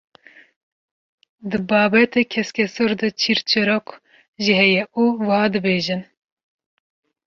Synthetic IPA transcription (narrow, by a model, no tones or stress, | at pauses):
d̪ɨbɑːbɛt̪ekʰɛskʲɛsoɾd̪ɨt͡ʃʰiɾt͡ʃʰɨɾok | ʒiɦɛjɛʔuːwɨhɑːd̪ɨbeːʒɨn